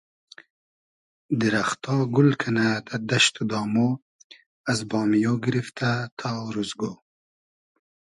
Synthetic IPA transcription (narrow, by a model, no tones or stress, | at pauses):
d̪iɾaχt̪ɑːɡʊlkʰanat̪ʰad̪aʃt̪ud̪ɑːmo | azbɑːmijoːɡɾift̪ʰat̪ʰɑːɾuzɡoː